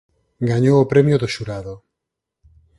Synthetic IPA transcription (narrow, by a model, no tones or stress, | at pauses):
ɡaɲowopɾɛmjoðoʃuɾaðo